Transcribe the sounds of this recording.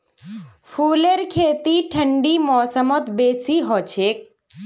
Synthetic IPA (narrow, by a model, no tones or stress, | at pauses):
fʰuːleɾkʰeːt̪iʈʰəɳɖiːmɔːsəmɔt̪beːsiɦɔt͡ʃʰeːk̚